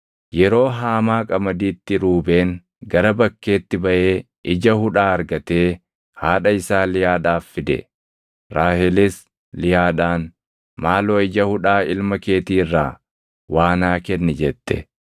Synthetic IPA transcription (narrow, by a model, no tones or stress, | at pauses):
jɛɾo̞ːɦaːmaːkʼɐmɐd̪iːt̪ːɪɾuːbe̞ːŋ | ɡɐɾɐbɐkːe̞ːt̪ːɪbɐʔeː | ʔɪd͡ʒɐhʊᶑaːɐɾɡɐt̪e̞ː | haːᶑɐɪsaːlɪjaːᶑaːfːɪd̪ɛ̰ | ɾaːhɛlɪs | lɪjaːᶑaːn | maːloːɪd͡ʒɐhʊᶑaːɪlmɐke̞ːt̪iːrːaː | waːnaːkɛnːɪd͡ʒɛt̪ːɛ̰